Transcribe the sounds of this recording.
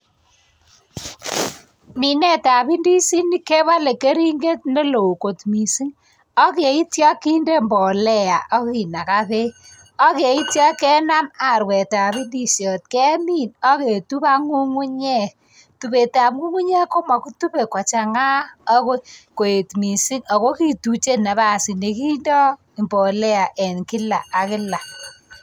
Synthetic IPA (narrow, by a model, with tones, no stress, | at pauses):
mi˨nɛ˦ta˨pi˦ndi˦si˦ni˦ke˦βa˦le˨ke˦ɾi˦ŋɡe˦t̚ne˦lo˨u˨ko˨tmi˨si˦ŋ | ɔ˦ke˨i˦tjɔ˦kːi˦nde˦mbɔ˨lɛ˦ja˨ʔɔ˦ki˨na˨ka˦βe˦ | ɔ˦ke˨i˦tjɔ˦kɛ˦na˦ma˨ɾwɛ˨ta˨pi˦ndi˦sjɔ˨t̚kɛ˦mi˦nɔ˦ke˨tu˦pa˦ŋu˦ŋu˦ɲɛ˦k | tu˨be˨ta˨p̚ŋu˦ŋu˦ɲɛ˦ko˦mɔ˨ku˦tu˦pe˨ka˨t͡ʃa˨ŋa˦ɔ˦ko˦ko˨e˨tmi˨si˦ŋa˨ko˦ki˨tu˨t͡ʃe˦na˨ba˦˨si˨ne˨ki˦ndɔ˦˨ | mbɔ˨lɛ˦a˨ʔɛ˨nkɪ˦la˨ʔa˨kɪ˦la˨